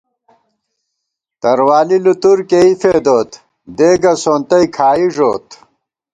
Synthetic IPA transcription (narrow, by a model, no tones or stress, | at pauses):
t̪ɐɾwaːlilut̪uɾkeifeːd̪oːt̪ | d̪eːɡɐsoːnt̪ɐjkʰaːiʐoːt̪